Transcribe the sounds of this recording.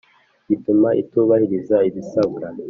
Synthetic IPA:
ɟ̥itumaʔḭtuβahiɾizaiβisaβuɾa

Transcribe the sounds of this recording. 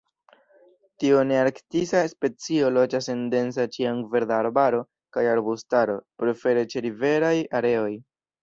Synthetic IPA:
tioneaɾktisaspe̞t͡sio̞lo̞d͡ʒasende̞nsat͡ʃiaŋve̞ɾdaːɾbaɾo̞ | kajaɾbustaɾo̞pɾe̞fe̞ɾe̞t͡ʃe̞ɾive̞ɾajaɾe̞o̞j

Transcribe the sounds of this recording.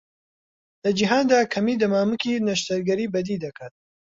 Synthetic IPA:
lɐd͡ʒiɦaːnd̪aːkʰɐmiːd̪ɐmaːmɨkiːnɐʃt̪ɐɾɡɐɾiːbɐd̪id̪ɐkʰaːt̪̚

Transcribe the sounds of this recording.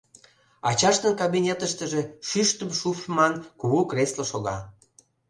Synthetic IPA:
ɑt͡ɕɑʃt̪ənkɑβinʲet̪əʃt̪əʒeʃyʃt̪əmʃufmɑnkuɣukresloʃoɣɑ

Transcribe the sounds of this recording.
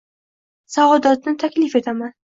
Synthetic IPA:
savɒd̪ɒt̪̚nɪt̪ʰakʲlɪfe̞t̪ʰaman

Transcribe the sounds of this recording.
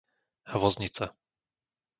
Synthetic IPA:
aʋɔzɲit͡sa

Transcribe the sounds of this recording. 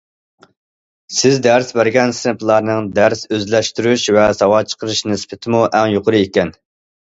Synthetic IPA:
sɪzd̪æɾsbæɾɡʲɛnsɨnɨpʰlˠɑɾnɨŋd̪æɾsøzlɛʃt̪yɾyʃvɛsɑwɑt͡ʃʰə̥qʰəɾɨʃnɨspɪt̪ʰɪmuʔɛŋjoqʰʊɾɨekʲɛn

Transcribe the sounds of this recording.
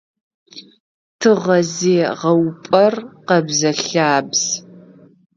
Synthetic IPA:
tʰɨʁɐzeːʁɐwpʼɐrqɐbzɐɬaːbz̥

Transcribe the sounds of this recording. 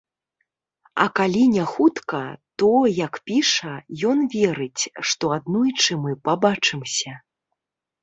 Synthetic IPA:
ɐ̰kalʲinʲaxut̪kɐt̪ɔjɐkpʲiʂɐjɔnvʲɛɾɨt͡sʲʂt̪ɔad̪nɔjt͡ʂɨmɨpabat͡ʂɨmsʲɐ

